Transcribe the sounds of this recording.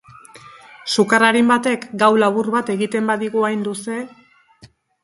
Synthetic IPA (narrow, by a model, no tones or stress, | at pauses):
sukaraɾimbat̪e̞kɡawlaβurβat̪e̞ɣit̪e̞mbaðiɣuajnd̪use̞